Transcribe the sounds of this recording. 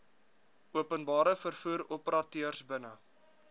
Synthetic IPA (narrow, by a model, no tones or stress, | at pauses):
uəpənbɑːɾəfərfuːɾɔpəɾɑtyərsbənə